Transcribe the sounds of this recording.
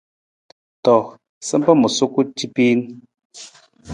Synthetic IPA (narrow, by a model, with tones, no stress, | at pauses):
tɔ˨ | sɛ˦m˦pə˦mu˨su˦ku˦ti˦pi˦n